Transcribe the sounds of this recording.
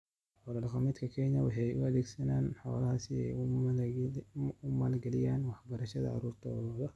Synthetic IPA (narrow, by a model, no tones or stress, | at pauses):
ħɔlɐlɐqɑmɪd̪kʰɐkʰɛɲɐwɑħɑjʊɐðɛːɡsɐnaːnħɔlɐhasɪɛ̰j | ʊmaːlɡɐlɪjaːnwɑħbɐɾɐʃɐðɐ̰ʕɑ̰ɾuːrt̪ʰɐɔlɐðɐ